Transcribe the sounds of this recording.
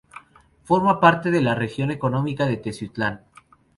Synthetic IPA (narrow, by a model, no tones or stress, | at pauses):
fo̞ɾmapaɾt̪e̞ðe̞larexjo̞ne̞ko̞nõ̞mikaðe̞t̪esyt̪lan